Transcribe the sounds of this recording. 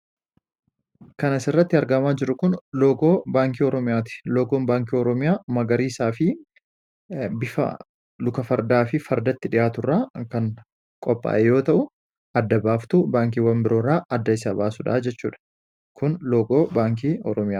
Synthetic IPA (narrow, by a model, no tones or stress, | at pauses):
kɐnɐsɪrːɐt̪ːɪɐɾɡɐmaːd͡ʒɪɾʊkʊnlo̞ːɡo̞ːbaːŋkiːɔɾɔmɪjaːt̪ɪ̥loːɡoːmbaːŋkiːɔɾɔmɪjaːmɐɡɐɾiːsaːfɪ | bɪfɐ̰ | lʊkɐfɐɾd̪aːfɪfɐɾd̪ɐt̪ːɪᶑɪjaːt̪ʊrːaːkɐŋ | kʼɔpʼːa̰ːʔɛjo̞ːt̪ɐʔʊ | ɐd̪ːɐbaːft̪ʊbaːŋk̬iːwɐmbɪɾʔo̞ːɾaːʔɐd̪ːɐɪsabaːsʊᶑa̰ːd͡ʒɛt͡ʃːṵːᶑɐ̥ | kʊnloːɡo̞ːbaːŋk̬iːɔ̰ɾɔmɪjaː